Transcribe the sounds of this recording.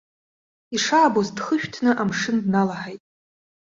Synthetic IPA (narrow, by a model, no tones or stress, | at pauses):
iʂaːbozdχəʃᶣtʰnɨʔamʂɨndnalaħajtʼ